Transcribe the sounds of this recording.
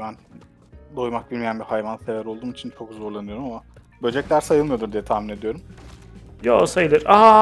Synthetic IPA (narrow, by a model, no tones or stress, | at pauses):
bæn | d̪o̞jmak̚bilʲmijænbihajvansevæɾo̞lˠd̪uːmit͡ʃʰint͡ʃʰo̞kzo̞ɾlˠanɯjo̞ɾumama | bød͡ʒɛclʲæɾsajɯlˠmɯjo̞d̪uɾd̪ijɛt̪ʰaːmine̞d̪ijo̞ɾum | josajɯlˠɯɾaɦa